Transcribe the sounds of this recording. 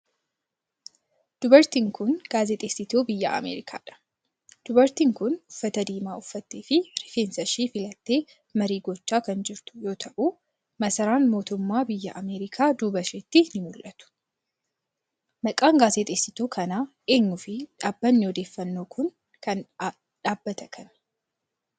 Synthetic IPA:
d̪̥ʊbɐɾt̪iŋkʊnɡ̥aːzet̪ʼeːsːɪt̪oːbɪjːɐ̰ʔɐ̰mḛːɾɪkʰa̰ːᶑɐ̥ | d̪̥ʊbɐɾt̪iŋkʊnʊfːɐt̪ɐd̪iːmaːʊfːɐt̪ːeːfɪɾɪfeːnsɐʃiːfɪlɐt̪ːe̞ː | mɐɾiːɡɔt͡ʃːaːkɐnd͡ʒɪɾt̪ʊ̥jo̞ːt̪ʰɐʔuː | mɐsɐɾaːnmo̞ːt̪ʊmːaːbɪjːɐʔɐmeːɾɪkʰaːd̪ʊbɐʃeːt̪ːɪnɪmʊlʔɐt̪ʊ̥ | mɐkʼaːŋɡaːzet̪ʼeːsɪt̪oːkʰɐnaːʔe̞ːɲːʊfɪᶑaːbːɐnːɪɔd̪e̞ːfːɐnːo̞ːkʰʊn | kɐn | ᶑaːbːɐt̪ɐkʰɐn

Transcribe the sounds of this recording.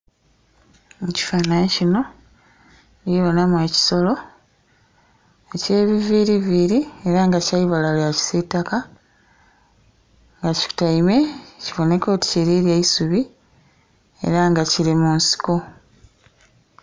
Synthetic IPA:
eci̥fanacino̞ | iβonamweːci̥so̞lo̞ | ece̞ːβiviɾiviɾie̞ɾaŋɡacaiβalaljaci̥setːaka | ŋɡaci̥u̥taime̞civo̞ne̞ko̞ːti̥ciɾiɾjeisuβi | e̞̰ɾaŋɡaciɾimunsi̥ko̞

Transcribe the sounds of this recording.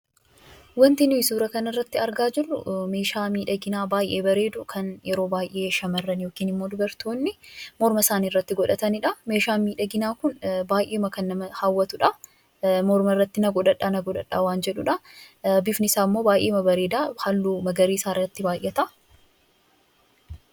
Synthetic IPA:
wɐnt̪ɪnɪsuːɾɐkɐnɐrːɐt̪ːɪɐɾɡaːd͡ʒɪrːʊ̰me̞ːʃaːmiːᶑɐɡɪnaːbaːjʔe̞ːbɐɾe̞ːd̪ʊkʰɐnjɛɾo̞ːbaːjʔeːʃɐmɐrːɐnjo̞ːkiːnɪmːo̞ːd̪ʊbɐɾt̪oːnːɪmɔɾmɐsaːniːrːɐt̪ːɪɡɔᶑɐt̪ɐnɪᶑɐme̞ːʃaːmiːᶑɐɡɪnaːkʊnbaːjʔeːmɐkɐnːɐmɐhawːɐt̪ʊᶑɐ | mɔɾmɐɪrːɐt̪ːɪnɐɡɔᶑ̪ɐᶑːaːnɐɡɔᶑ̪ɐ̰ᶑːa̰ːwaːnd͡ʒɛᶑʊᶑɐbɪfnɪsaːmːoːbaːjʔeːmɐbɐɾe̞ːd̪aːhɐlːuːmɐɡɐɾiːsaːrːɐt̪ːɪbaːjʔet̪ɐʔɐ̥

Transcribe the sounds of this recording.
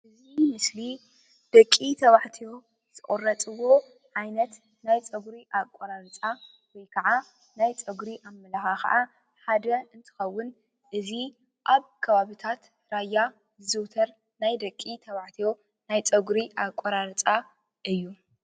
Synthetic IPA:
ʔɨzimɨsli | d̪̥ɐkʼːit̪ʰɐβaħt̪ʰijo̞ | z̥ɨʔʼorːɐt͡sʼɨwo̞ | ʕajnɐt̪ | najt͡sʼɐɡɾiʔakʷʼoɾaɾɨt͡sʼa | wɔjkʰɐʕa | najt͡sʼɐɡɾiʔamːɐlaxaxɐ̰ʔa | ħad̪ɐɨnt̪ʰɨ̥xɐwːʊn | ʔɨzi | ʔaβkʰɐβaβit̪ʰat̪ | ɾajːa | zɨzɨwt̪ʰɐɾ | najd̪ɐkʼːit̪ʰɐβaħt̪ʰijo̞ | najt͡sʼɐɡɾiʔakʷʼoɾaɾɨt͡sʼa | ʔɨjːu

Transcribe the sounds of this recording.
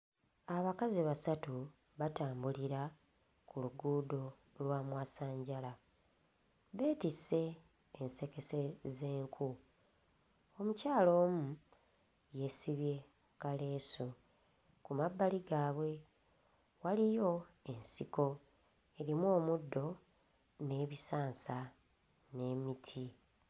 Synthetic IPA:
aβakaziβasatu | βataːmbuliɾa | kuluɡuːdo̞ | lwaːmwaːsaːɲɟala | βe̞ːtise̞ː | nse̞ke̞se̞ze̞ːŋkʰu | o̞mucaːlo̞ːmu | je̞siβje̞ | kale̞ːso | kumabːaliɡaːβwe̞ | walijo̞e̞nsiko̞ | e̞ɾimo̞ːmudːo̞ | ne̞ːβisaːnsa | ne̞mitʰi

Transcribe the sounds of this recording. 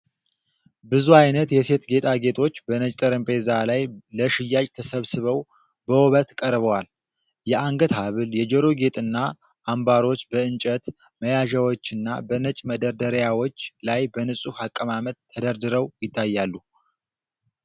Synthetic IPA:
bɨzuajnət̪jɛse̞t̪ɡe̞t̪ʰʼaɡe̞t̪ʰo̞t͡ʃːbənət͡ʃʼt̪ʼəɾɨmpʼe̞zalajləʃɪjːajʼt̪ʰəsəβsɨβəw | bəwɔβət̪kʼəɾβəwal | jɛʔaŋɡət̪haβɨljɛd͡ʒəɾoɡe̞t̪ʼɨnːa | ʔːmbaɾo̞t͡ʃːbəɨnt͡ʃʼət̪ | məjaʒawo̞t͡ʃːɨnːa̰bənət͡ʃʼməd̪əɾd̪əɾjawot͡ʃːlajbənɨsʼuhakʼːəmamət̪ʰːəd̪əɾd̪ɨɾəwjɪt̪ʰːajːalːu

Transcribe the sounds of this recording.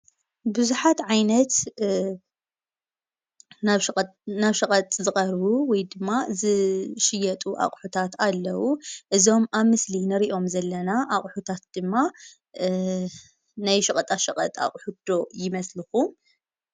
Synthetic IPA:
bɨzuħat̪ʕajnɐt̪ | nanaβʃɐkʼɐt̪ʼzɨχʼɐɾβuwɔjd̪ɨmːazɨʃɪjɐt̪ʼuʔa̰χʼħut̪ʰat̪alːɐwuʔɨzo̞maβmɨslinɨɾiʔo̞mzɐlːɐnaʔaχʼħut̪ʰat̪̚d̪̥ɨmːa | najʃɐkʼɐt̪ʼaʃɐqʼɐ̰t̪ʼa̰kʼħud̪̥o̞jɪmɐslɨxum

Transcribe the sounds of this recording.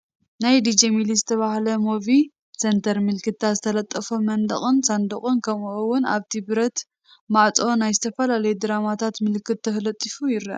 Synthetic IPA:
najd̪id͡ʒemilizɨt̪ʰɐβahlɐmo̞vi | sent̪ʰɐɾmɨlkɨt̪ːazɨt̪ʰɐlɐt̪ʼːɐfomɐnd̪ɐ̰xʼɨnsand̪ɨχʼɨnkʰɐmuʔowːʊna̰βt̪ʰibɾɐt̪ | maʕt͡sʼo̞najzɨt̪ʰɐfɐlalɐjud̪ɨɾamat̪ʰat̪mɨlkʰːɨt̪̚ːʰɐxlɐt̪ʼːifujɪɾːɐ̰ʔ

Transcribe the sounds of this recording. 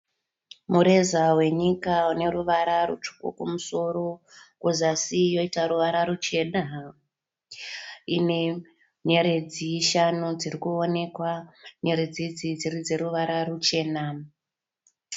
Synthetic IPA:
muɾe̞zawe̞ɲikaune̞ɾuʋaɾarṵt͡ʃu̥ko̰kumuso̞ɾokuzasijo̞itaɾuʋaɾaɾut͡ʃe̞na | ḭne̞ | ɲe̞ɾe̞d͡ziʃanud͡zirikuo̞ne̞kwaɲe̞ɾed͡zid͡zid͡zirid͡ze̞ɾuʋaɾarut͡ʃe̞ːna

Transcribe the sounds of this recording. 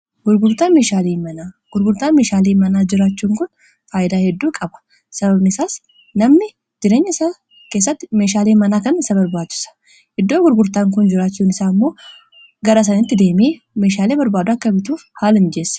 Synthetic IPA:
ɡʊɾɡʊɾt̪aːnme̞ːʃaːliːmɐnaː | ɡ̥ʊɾɡʊɾt̪aːnmeːʃaːliːmɐnaːd͡ʒɪɾaːt͡ʃːuːŋkʊn | faːjɪd̪aːhɛd̪ːuːkʼɐbɐ̥ | sɐbɐbnɪɪsaːs | nɐmnɪ | d͡ʒɪɾe̞ːɲːɐsaː | ke̞ːs̬ːɐt̪ːɪ̥meːʃaːleːmɐnaːkɐnɪsɐbɐɾbaːdt͡ʃːɪ̥sɐ̥ | ʔɪd̪ːoːɡʊɾɡʊɾt̪aːŋkʊnd͡ʒɪɾaːt͡ʃːuːnɪsaːmːo̞ː | ɡɐɾɐs̬ɐnɪt̪ːɪd̪e̞ːmeː | me̞ːʃaːleːbɐɾbaːd̪ʊɐkːɐbɪt̪uːfhaːlɪnd͡ʒe̞ːsɐ̥

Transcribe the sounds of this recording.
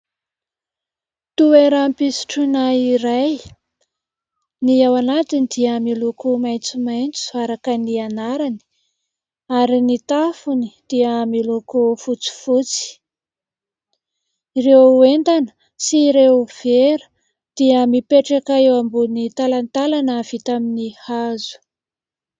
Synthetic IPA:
t̪ueɾampisi̥ʈ͡ʂunaiɾaj | niawanat̪inid̪iəmilukumajnt͡simajnt͡su̥aɾakənianaɾani̥ | aɾinit̪afunid̪̥iəmilukufut͡si̥fut͡si̥ | irewent̪anə̥ | siɾewv̥eɾu̥ | d̪̥iəmipeʈ͡ʂakaewambunit̪alant̪alanəv̥it̪aminihazu̥

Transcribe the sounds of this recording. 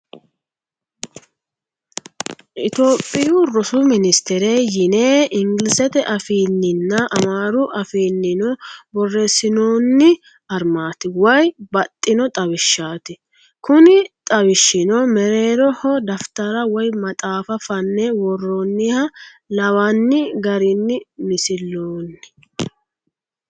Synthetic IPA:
ʔɪt̪o̞ːpʼːɪjʊɾɔsʊmɪnɪst̪ɛɾeːjɪneːʔɪŋɡɪlɪsɛt̪ɛʔɐfiːnːɪnːɐʔɐmaːɾʊʔɐfiːnːɪnɔbɔrːɛsɪnoːnːɪ | ɐɾmaːt̪ɪwɐjbɐt̪ʼːɪnɔt̪ʼɐwɪʃːaːt̪ɪ | kʊnɪt̪ʼɐwɪʃːɪnɔmɛɾe̞ːɾɔhɔd̪ɐft̪ɐɾɐwɔjmɐt̪ʼaːfɐfɐnːɛwɔrːɔnːɪhɐlɐwɐnːɪɡɐɾɪnːɪmɪsɪlːoːnːɪ̥

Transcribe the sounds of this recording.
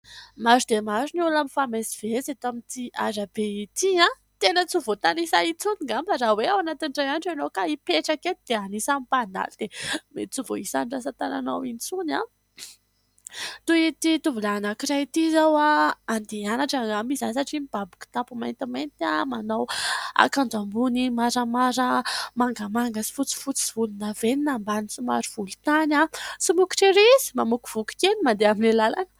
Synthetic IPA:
mazud̪emaziniulamifamesi̥v̥ezet̪amit̪ia̰zabeit̪iã | t̪enət͡suvot̪anisait͡suniŋɡamfazaweawanat̪inɖ͡ʐajanʈ͡ʂanokaipeʈ͡ʂaket̪id̪eanisamipana̰lid̪̥emet͡suvo̰isanɖ͡ʐas̬at̪ana̰nawinit͡suna | t̪uet̪it̪uvilanakiɾait̪izawaːnd̪eanaʈ͡ʂaŋamizansaʈ͡ʂimib̥abu̥ku̥t̪apumajnt̪imajnt̪amanawa̰kand͡zambunimaɾəmaɾəmaŋɡamaŋɡəsi̥fut͡si̥fut͡si̥vulunaveninambanisimaɾiv̥ulut̪anasimuki̥ʈ͡ʂeɾizi̥mamuku̥v̥uki̥kenimand̪eamilelalanə̥

